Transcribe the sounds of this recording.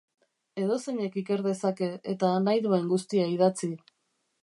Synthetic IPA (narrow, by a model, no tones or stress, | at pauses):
e̞ðo̞seɲe̞kike̞ɾðe̞sake̞et̪anajðue̞ŋɡust̪iaið̞at͡si